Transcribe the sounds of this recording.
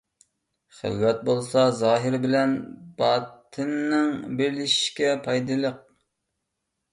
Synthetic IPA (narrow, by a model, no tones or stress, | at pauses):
χə̰lwɛt̪̚bolˠsɑzɑːɦɪɾbɪlɛnb̥ɑːt̪ʰɨnːɪŋbelɪʃi̥ʃkʲɛpʰɑjd̪ɨlˠəq̚